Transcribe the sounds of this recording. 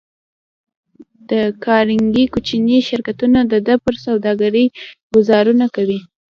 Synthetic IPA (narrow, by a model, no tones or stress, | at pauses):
d̪̥əkɑɾɪŋɡikut͡ʃiniʃɪɾkat̪unad̪əd̪əpəɾsawd̪ɑɡaɾəjɡʊzɑɾunakawi